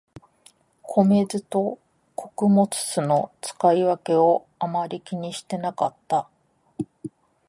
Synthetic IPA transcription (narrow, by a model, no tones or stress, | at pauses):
kʰo̞me̞zɨt̪o̞ | kʰo̞kɯ̟mo̞t͡sɨ̥sɨno̞t͡sɨ̥kaiβake̞o | amaɾʲikʲiɲ̟iɕi̥t̪e̞nakat̪ːa